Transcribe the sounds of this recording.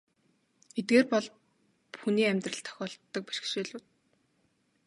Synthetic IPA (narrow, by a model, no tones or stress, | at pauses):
et̪̚ɡeːrpɔɮ | xuniːæmʲt̪rə̆ɬt̪ʰːɔ̥xʲɔːɮt̪ːɞ̆k̚pæ̥ʃ̆kʃeːɮʊːt̪̚